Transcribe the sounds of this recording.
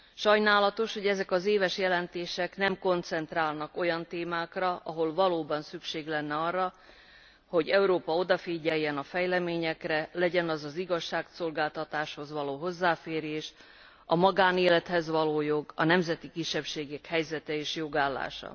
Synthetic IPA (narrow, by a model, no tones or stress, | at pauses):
ʃɒjnaːlɒt̪o̞ʃho̞ɟɛzɛkɒzeːvɛʃjɛlɛnt̪eːʃɛknɛmko̞nt̪sɛnt̪raːlnɒko̞jɒnt̪eːmaːkrɒʔɒɦo̞lvɒloːbɒnsykʃeːɡlɛnːɛɒrːɒ | ho̞ɟɛuɾoːpɒo̞d̪ɒfiːɟɛjːɛnɒfɛjlɛmeːɲɛkrɛlɛɟɛnɒzɒziɡɒʃːaːkso̞lɡaːlt̪ɒt̪aːʃho̞zvɒloːɦo̞zːaːfeːɾeːʃ | ɒmɒɡaːneːlɛt̪hɛzvɒloːjo̞ɡɒnɛmzɛt̪ikiʃːɛpʃeːɡɛkhɛjzɛt̪ɛeːʃjo̞ɡaːlːa̰ːʃɒ̰